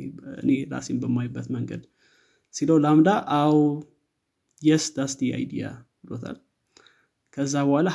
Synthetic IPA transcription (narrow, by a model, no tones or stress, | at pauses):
ɨ̰neɾa̰senbəmːajbːət̪məŋɡə̰d̪ | siləwlamd̪aʔaw | jɛsd̪ast̪ʰia̰jd̪ḭja̰ | lot̪ʰa̰l | kʰəzːabəhala